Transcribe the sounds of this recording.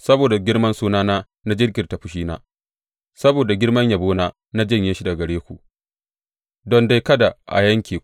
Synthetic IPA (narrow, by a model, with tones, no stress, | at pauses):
sɐ˦boː˨da˨ɡʲɪ˦ɽmɐ˦nsuː˦naː˦naː˦ | na˦d͡ʒɪ˦rɡʲɪ˨ta˨ɸʊ˨ʃiː˦na̰ː˦ | sɐ˦boː˨da˨ɡʲɪ˦ɽmɐ˦ɲja˨boː˦naː˦ | na˦d͡ʒɐ˦˨ɲjɪ˦ʃi˦da˨ɡɐ˨ɽeː˦kʷṵ˨ | dɔ˦nda˦jkɐ˦da˨ʔa̰˨jɐ˦ŋkʲiː˨